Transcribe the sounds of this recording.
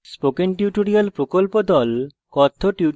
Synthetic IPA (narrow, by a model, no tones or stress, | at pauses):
spokenʈiuʈoɾialpɾokolpod̪ɔl | kɔt̪ʰːoʈu